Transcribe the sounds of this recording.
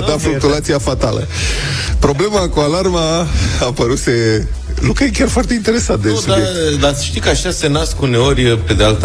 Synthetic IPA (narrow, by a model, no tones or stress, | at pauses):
d̪afluk̚t̪ulat̪siafat̪a̰lə̰ | pɾo̞ble̞makualarmaapəɾuse̞ | lukajekʲarfoart̪eint̪e̞ɾe̞sat̪̚d̪esubd̪abjed̪asəʃt̪ikaʃase̞naskune̞o̞rʲpe̞d̪ealt̪ə